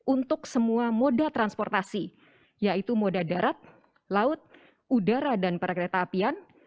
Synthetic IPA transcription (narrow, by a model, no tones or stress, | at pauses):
unt̪ʊksəmuamodat̪ɾanspɔrt̪asi | jait̪umodadaɾat̪̚ | laʊt̪̚ | udaɾadanpaɾakɾet̪aːpian